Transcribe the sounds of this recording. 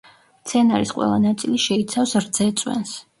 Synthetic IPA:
t̪sʰɛnaɾisqʼwɛ̰lˠanat̪sʼiliʃɛit̪sʰafsɾd̪z̥ɛt̪sʼwɛ̰ns

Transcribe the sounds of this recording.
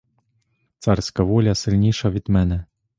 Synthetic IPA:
t̪sarsʲkɐvɔlʲɐsɨlʲnʲiʂɐvʲid̪mɛnɛ

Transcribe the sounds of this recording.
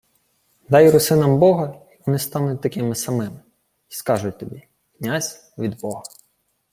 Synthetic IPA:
d̪ɑjɾɔsɪnɐmbɔɦɐiʋɔnɪst̪ɑnʊt̚ʲt̪ɐkʲɪmɪsɐmɪmɪ | iskɑʒʊt̚ʲt̪ɔbʲi | knʲazʲ | ʋʲid̪bɔɦɐ

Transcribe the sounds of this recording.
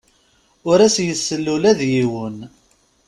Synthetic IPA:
ʊɾæsjəsːəlːulæðjiwən

